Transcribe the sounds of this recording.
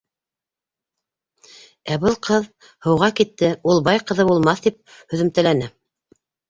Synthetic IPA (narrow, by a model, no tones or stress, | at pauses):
æbɤlˠqɤð | hɤ̆wʁɑkit̪ːɘulˠbɑjqɤ̆ðɤbulˠmɑθt̪ip̚ | hɵ̆ðɘ̆mt̪æ̆lænɘ